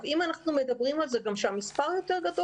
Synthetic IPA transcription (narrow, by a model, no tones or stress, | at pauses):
vimanaχnumed̪abʁimalzeɡamʃeamispaʁjo̞t̪e̞ʁɡado